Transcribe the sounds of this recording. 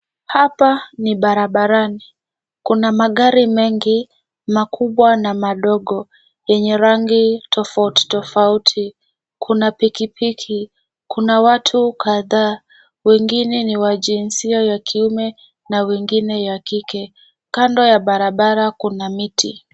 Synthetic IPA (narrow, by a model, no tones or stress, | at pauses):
hapaniɓaɾaɓaɾani | kunamaɠaɾimɛŋɡi | makʰuɓwanamaɗɔɠɔ | jɛɲɛɾaŋɡitʰɔfauti̥tɔfautʰi | kʰunapikipikʰi | kʰunawatʰukʰaðaː | wɛŋɡinɛniwaʄinsiajakʰiumɛ | nawɛŋɡinɛjakikɛ | kandɔjaɓaɾaɓaɾakunamiti